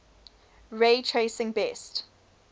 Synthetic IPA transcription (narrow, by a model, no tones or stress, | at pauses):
ɹeːtʰɹeɪsɪ̃ŋbɛst